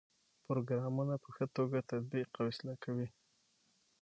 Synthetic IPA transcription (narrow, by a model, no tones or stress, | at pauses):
pɾoɡɾɑmunapəxət̪oɡat̪ad̪̚biqawɪslakawi